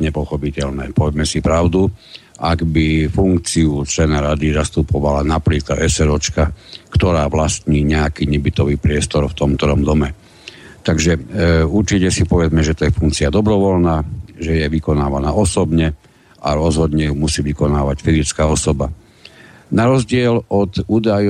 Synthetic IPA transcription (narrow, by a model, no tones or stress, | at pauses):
ɲɛpɔxɔpicɛʎnɛ̰ːpɔʋɛmɛsipɾaʊd̪u | ʔaɡbifuŋk̚t͡siut͡ʃlɛnaɾad̪izast̪upɔʋalanapliːkaʔɛsɛɾɔt͡ʃkakt̪ɔɾaːʋlast̪ɲiːɲɛakiːɲɛbit̪ɔʋiːpɾɪɛst̪ɔɾft̪ɔmt̪ɾɔmd̪ɔmɛ | t̪aɡʒɛuɾt͡ʃicɛsipɔʋɛd͡zmɛʒɛt̪ɔjɛfuŋk̚t͡siad̪ɔbɾɔʋɔlnaːʒɛjɛʋikɔnaːʋanaːɔsɔbɲɛ | ʔaɾɔzɦɔd̪ɲɛjumusiːʋikɔnaːʋacfizit͡skaːɔsɔba | naɾɔzɟɪɛlɔt̪uːd̪aj